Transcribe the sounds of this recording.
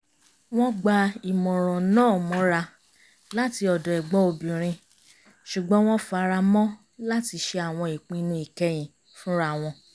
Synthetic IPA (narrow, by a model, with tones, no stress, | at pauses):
w̃ɔ̃˦ɡ͡ba˧i˨mɔ̃˨ɾ̃ɔ̃˨nãː˦˨mɔ̃˨˦ɾa˧ | la˦ti˧ɔ˨dɔ˨ɛ˨ɡ͡bɔ˦o˧bĩ˨ɾ̃ĩ˧ | ʃu˨ɡ͡bɔ̃˦w̃ɔ̃˦fa˧˦ɾa˧mɔ̃˦ | la˦ti˧˦ʃe˧a˨w̃ɔ̃˧i˨k͡pĩ˨˧nũ˧˦i˨kɛ˧˦j̃ĩ˨ | fũ˦ɾa˦w̃ɔ̃˧